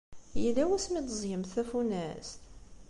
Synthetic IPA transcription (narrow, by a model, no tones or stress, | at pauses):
jilæwæsmid̪zˤjəmθæfunæst̪